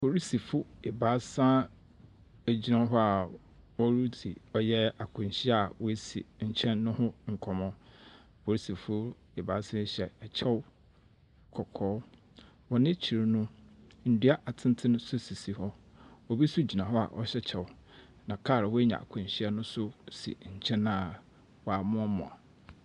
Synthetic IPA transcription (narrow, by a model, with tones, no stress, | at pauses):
po˨ɾi˦si˨fʊ˦e˨baː˨˦sã˦ | æ˨d͡ʑi˦nã˦ɦɔ˦a˨ | wɔ˦ɾu˦di˨ɔ˦jɛ˦a˨kʰʊ̃˨n˨ɕi˦ɛ˦a˨wɔ˦e˦sḭ˨ɲ̩˨t͡ɕʰɛ̃˦nːʊ̃˦hʊ̃˦ŋ̩˨kʰɔ̃˨mɔ̃˦ | fʰo˨ɾi˦si˨fʊ˦ | e˨baː˨˦sã˦ɕɛ˨ɛ˨t͡ɕʰɛ˦w | kʰɔ˨kʰɔː˨˦ | wɔ˨nɪ̃˦t͡ɕʰi˨ɾnʊ̃˦ | n̩˨du˦a˦ʔa˨tʰɪ̃˦n˦tʰɪ̃˦nʊ̃˦sʊ˦si˨si˨hɔ˦ | wɔ˨bi˦su˦d͡ʑi˨nã˨ɦɔ˦a̰˨ʔɔ˦ɕɛ˦t͡ɕʰɛ˨w | nã˨kʰaː˦˨ɾa˨wɔ˦e˦ɲã̰˨a̰˨kʰʊ̃˨ɲ˨ɕi˦ɛ˦nʊ̃˦sʊ˦sḭ˨ɲ̩˨t͡ɕʰɛ̃˦nã˦˨ | wɔ˨a˨mʊ̃˦ɔ˦mɔ̰̃˨a˨